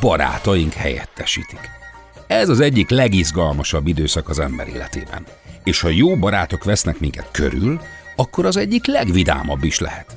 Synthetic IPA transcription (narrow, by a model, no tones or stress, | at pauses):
bɒɾa̰ːt̪ɒjiŋkhɛ̰jɛ̰t̪ːɛʃḭːt̪i̥k | ɛzɒzɛɟːiklɛɡizɡɒlmɒʃɒbːid̪øːsɒkɒzɛmbɛɾḛːlɛt̪ḛːbɛ̰n | eːʃhɒjoːbɒɾaːt̪o̞kʋɛsnɛkmiŋkɛt̪kø̰ɾylɒkːo̞ɾɒzɛɟːiklɛɡʋid̪a̰ːmɒbːiʃlɛ̰hɛt̪